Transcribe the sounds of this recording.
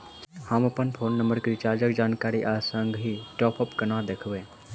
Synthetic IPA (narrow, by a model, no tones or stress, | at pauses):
hamɐpənpʰoːnːəmbəɾkɾit͡ʃaːɾd͡ʒəkd͡ʒaːnkaːɾiʔaːsəŋɡɦiʈɔːpəpkɐnad̪ekʰʋẽː